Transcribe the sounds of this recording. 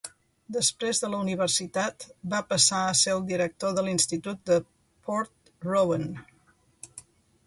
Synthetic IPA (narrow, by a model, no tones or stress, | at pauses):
d̪əspɾezðələuniβ̞ərsit̪at̪bapəsaəseɾəlˠd̪iɾək̚t̪oðəlinst̪it̪ut̪̚d̪ə | pɔɾt̪ | rowən